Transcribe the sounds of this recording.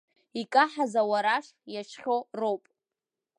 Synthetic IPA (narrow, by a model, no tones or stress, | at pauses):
ikʼaħazawaɾaʂjaʃχʲorowpʼ